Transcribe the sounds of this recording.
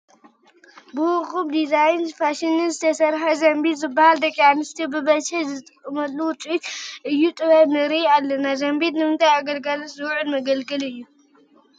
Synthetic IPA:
bɨwʊɣʼumd̪izajnfaʃinɨnzɨt̪ʰɐsɐɾħazɐmbit̪zɨbːahald̪ɐkʼianɨst̪ʰibɨbɐt͡ʃʰɛzɨt̪ʼɨkʼːɨmɐlːuwʊt͡sʼut̪ʔɨjːut̪ʼɨβɐnɨɾialːɐnazɐmbid̪nɨmɨnt̪ʰajaɡɐlɡalot̪zɨwʕɨlmɐɡɐlɡɨlɨjːu

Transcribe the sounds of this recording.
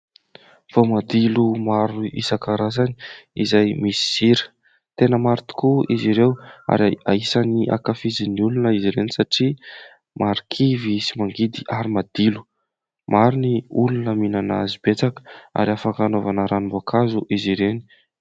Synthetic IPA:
v̥omad̪ilumaɾuʔḭsakaɾazani̥izajmisi̥z̥iɾə̥ | t̪enəmaɾit̪u̥kuiziɾewa̰ɾa̰isaniʔa̰kafiziniulunəiziɾenisaʈ͡ʂi | mʔaɾikʰivisimaŋɡid̪iʔaɾimad̪ilu̥ | maɾuniulunəminana̰zibet͡sakə̥a̰ɾiafakanovanəɾanimboakʰazuʔiziɾeni

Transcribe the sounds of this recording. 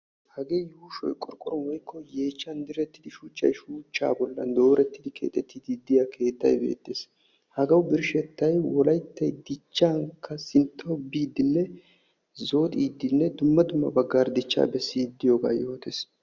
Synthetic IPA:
hɐɡe̞ːjuːʃɔ̰jkʼɔɾkʼɔɾɔnwɔjkʰːɔjeːt͡ʃːɐnd̪ɪɾɛt̪ːɪd̪ɪʃuːt͡ʃːɐ̰jʃuːt͡ʃːa̰ːbɔlːɐ̰nd̪o̞ːɾɛt̪ːɪd̪ɪkʰḛːt̪ʼːɛt̪ːɪd̪id̪ːɪjakʰe̞ːt̪ːɐ̰jbe̞̰ːt̪ːeːs | hɐɡɐwbɪɾʃɛt̪ːɐjwɔlɐjt̪ːɐjd̪ɪt͡ʃːaŋkʰːɐsɪnt̪ʰːɐʊbːiːd̪ːɪnːɛ | zo̞ːt̪ʼiːd̪ːɪnːɛd̪ʊmːɐd̪ʊmːɐ̰bɐɡːaːɾd̪ɪt͡ʃːa̰ːbɛsːiːd̪ːɪjo̞ːɡa̰ːjo̞ːt̪es

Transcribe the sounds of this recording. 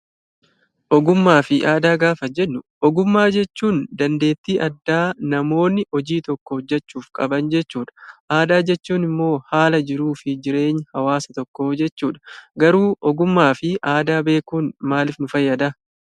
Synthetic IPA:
ʔɔɡʊmːaːfɪʔaːd̪aːɡaːfɐd͡ʒɛnːʊʔɔɡʊmːaːd͡ʒɛt͡ʃːuːnd̪ɐnd̪e̞ːt̪ːiːʔɐd̪ːaːnɐmo̞ːnːɪʔɔd͡ʒiːt̪ɔkːɔhɔd͡ʒːɐt͡ʃːuːfkʼɐbɐnd͡ʒɛt͡ʃːuːᶑɐ̥ʔaːd̪aːd͡ʒɛt͡ʃːuːnɪmːo̞ːhaːlɐd͡ʒɪɾuːfɪd͡ʒɪɾe̞ːɲːhɐwaːsɐt̪ɔkːo̞ːd͡ʒɛt͡ʃːuːᶑɐ̥ɡɐɾuːʔɔɡʊmːaːfɪʔaːd̪aːbe̞ːkuːnmaːlɪfnʊfɐjːɐd̪ɐ

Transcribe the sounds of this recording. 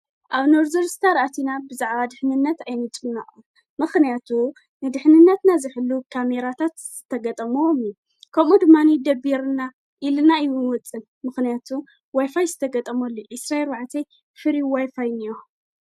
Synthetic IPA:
ʔaβnoɾzoɾst̪ʰaɾʔat̪ʰinabɨzaʕβad̪ɨħnɨnːɐt̪ajnɨt͡sʼɨnːaʔʼun | mɨxnijat̪ʰu | nɨd̪ɨħnɨnːɐt̪nazɨħɨlːukʰame̞ɾat̪ʰat̪z̥ɨt̪ʰɐɡɐt̪ʼɐmumju | kʰɐmud̪ɨmːanid̪ɐbiɾna | ʔilnaɨwunwɔt͡sʼːɨn | mɨxnijat̪ʰu | wajfajzɨt̪ʰɐɡɐt̪ʼɐmɐlːoʔisɾaeɾwaʕat̪ʰe | fɨɾiwajfajnijo

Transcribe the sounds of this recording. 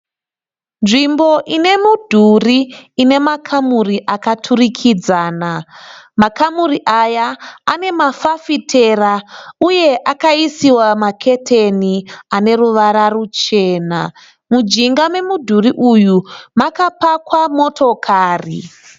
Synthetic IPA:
nʐimbo̞ʔine̞mudʱuriːne̞makʰamuriʔakatʰurikʰid͡zaːnamakamuriʔajaːne̞mafafitʰe̞rauje̞ʔakaisiwamakʰe̞tʰeniane̞ɾuʋaɾarut͡ʃe̞ːna̰ | mud͡ʒiŋɡame̞mudʱuriʔujumakapakwamo̞tʰo̞kʰaːrḭ

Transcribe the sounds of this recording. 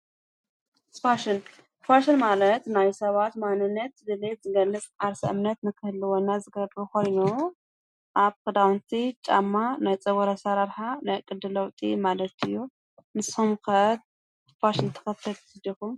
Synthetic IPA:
sfaʃɪn | faʃɨnmalɐt̪najsɐβat̪manɨnːɐt̪d̪ɨlet̪zɨɡɐlːɨt͡sʼʕaɾsɐ̰ʔɨ̰mnɐt̪mɨkʰɨhɨlɨwonːazɨɡɐbɾuko̞jnu | ʔaβkɨd̪awnt̪ʰit͡ʃʼa̰mːanajt͡sʼɐβɐɾasɐɾaɾħanajkʼɨd̪ɨlɐwt̪ʼimalɐt̪ɨjːu | nɨshumkɐt̪ | faʃɪnt̪ʰɐ̥xɐt̪ʰːɐt̪sd̪ikum

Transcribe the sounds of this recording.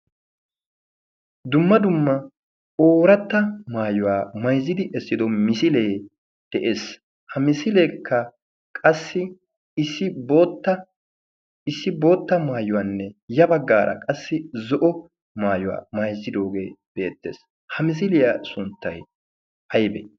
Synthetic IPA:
d̪ʊmːɐd̪ʊmːɐ | oːɾɐt̪ːɐmaːjʊwaːmɐjzːɪd̪ɪʔɛsːɪd̪ɔmɪsɪleː | d̪̥ɛʔe̞ːs | hɐmɪsɪleːkʰːɐ | kʼɐsːɪ | ɪsːɪboːt̪ːɐ | ɪsːɪbo̞ːt̪ːɐmaːjʊwɐnːɛjɐbɐɡːaːɾɐ̰kʼɐsːɪzɔʔɔ | maːjʊwa̰ːmɐjzːɪd̪o̞ːɡe̞ːb̥e̞ːt̪ːḛːs | hɐmɪs̬ɪlɪjasʊnt̪ːɐj | hɐjbɛ̰

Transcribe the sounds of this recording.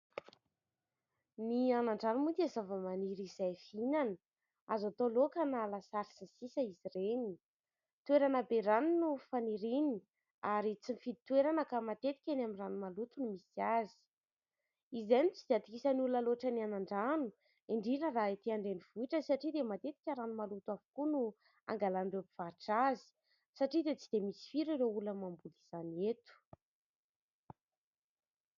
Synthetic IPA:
nianaɳɖ͡ʐanumut̪iazavəmaniɾizajfinanə | azat̪olokanalasaɾisasisəizireni | t̪ueɾanəbeɾaninufaniɾini | aɾit͡sinifiit̪weɾanəkamat̪et̪i̥kʲenaminranumalut̪unimisiazi̥ | izenit͡sid̪̥eat̪ikisanuləloʈ͡ʂənianaɳɖ͡ʐanu | iɳɖ͡ʐinəraet̪iaɳɖ͡ʐeniv̥uiʈ͡ʂəsaʈ͡ʂid̪emat̪et̪i̥kʲəɾanumalut̪uavu̥kunu | a̰ŋɡalanrepiv̥aɾʈ͡ʂazi̥ | saʈ͡ʂid̪et͡si̥d̪̥emisi̥fiɾiɾeuləmambuliz̥anet̪u̥

